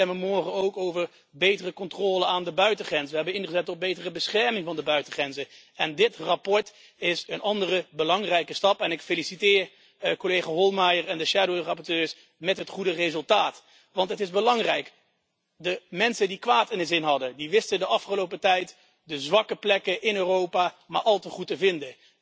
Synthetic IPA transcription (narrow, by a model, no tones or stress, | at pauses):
ɛməmɔɹχənowkowvəɹ | bejtərəkɔntrɔːləaːndəbœɥtəχrɛnsʋəɦɛbənɪnχəzɛtɔb̚bejtərəbəsχɛɹmɪŋvɑndəbœɥtəχrɛnzə | ɛndɪtrapɔɹt | ɪsənɑndərəbəlɑŋrɛjkəstɑpɛnɪkfelisitɪːɹ | kolejχaːɦɔlˠmajəɹɛndəʃaːdowrɑpɔɹtøːɹs | mɛtɦətχudərezɵlˠtaːt | ʋɑntɦətɪzbəlɑŋrɛjk | dəmɛnsəndikʋaːtɪnəzɪnɦɑdədiʋɪstədəɑfχəlowpətɛjt | dəzʋɑkəplɛkəʔɪnøːrowpaːmaːɹʔɑlˠtəχutəvɪndə